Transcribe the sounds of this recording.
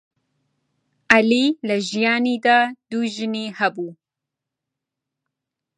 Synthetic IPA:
ʔaliːlɐʒijaːnid̪aːd̪uːʒɨniːhɐbuː

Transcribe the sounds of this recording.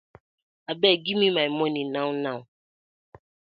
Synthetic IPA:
abɛɡimĩmãimɔ̃nĩnãwnãw

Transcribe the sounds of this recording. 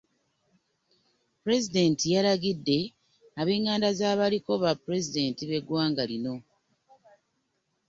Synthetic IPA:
puɾe̞zide̞ːntijalaɡidːe̞ | aβeːŋːaːndazaːβaliko̞βapuɾe̞zide̞ːntiβe̞ɡwaːŋɡalino̞

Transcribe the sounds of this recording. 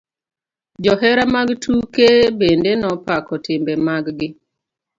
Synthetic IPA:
d͡ʒɔɦɛɾamaɡtʰukebendenɔpakɔtɪmbemaɡɡɪ

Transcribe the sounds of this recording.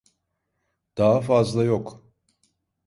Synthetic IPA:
d̪̥aɦafazlˠajok

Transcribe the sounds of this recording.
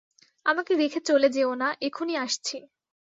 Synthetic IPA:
amakeɾekʰet͡ɕoled͡ʑeonaʔekʰuniaʃt͡ɕʰi

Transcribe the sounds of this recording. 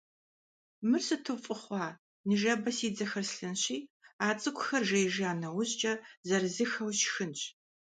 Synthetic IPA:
mɨrsɨtʰɨfʼɨχʷɑː | nɨʒɐbɐsiːd͡zɐxɐrsɬɨnɕiːaːt͡sʼɨkʷʰʊxɐrʒeːjʒiaːnɐwʊɕt͡ʃʼɐzɐrzɨxɐwɕxɨnɕ

